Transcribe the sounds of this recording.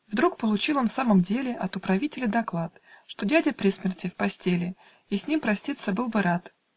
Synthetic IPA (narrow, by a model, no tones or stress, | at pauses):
vd̪ɾuk̚pəlˠʊt͡ɕilˠo̞nfsaməmdʲelʲɪʔɐt̪ʊpɾɐvʲitʲɪlʲɪd̪ɐklˠat̪ʂt̪o̞dʲædʲəpɾʲismʲɪrtʲɪfpɐsʲtʲelʲɪ | isʲnʲimpɾɐsʲtʲit̪səbɨlˠbɨɾat̪